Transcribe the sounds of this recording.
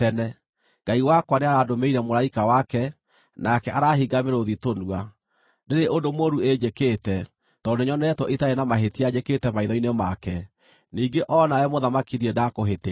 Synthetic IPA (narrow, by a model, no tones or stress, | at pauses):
tɛnɛ | ŋɡ̥aiwakwaneaɾadomeiɾɛmoɾaikawakɛ | nakɛʔaɾaɦiɡameɾoðitonua | neɾeʔondomoɾued͡ʒeketɛ | tɔneɲɔnɛtwɔʔitaenamaɦetiad͡ʑeketɛmaiðɔinemakɛ | niːɡeʔɔnaɛmoðamakiɾiɛdakoɦete